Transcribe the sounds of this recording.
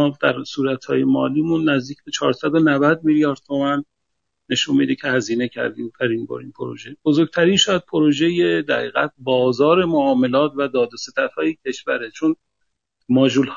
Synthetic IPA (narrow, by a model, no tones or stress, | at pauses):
d̪̥æɾsuːɾæt̪hɒ̰ːje̞mɒ̰ːliːmunːæzd̪iːcʰbe̞t͡ʃʰɒːɾsæd̪o̞nævæd̪̚miljɒːɾd̪̥̚t̪ʰomænː | e̞ʃunmḭd̪ecʰe̞hæziːne̞cʰæ̰ɾd̪iːmbæɾiːnbo̰ːɾḭːmpʰoɾo̰ʒe̞b̥o̞zoɾɡ̚t̪ʰæɾiːnʃɒjæd̪̚pʰoɾoʒe̞jed̪æɣḭːɣæ̰t̪̚bɒːzɒːɾe̞moɒːme̞lɒːt̪ʰvæd̪ɒːd̪ose̞t̪ʰæt̪hɒːjecʰe̞ʃvæɾet͡ʃʰon | mɒːd͡ʒulh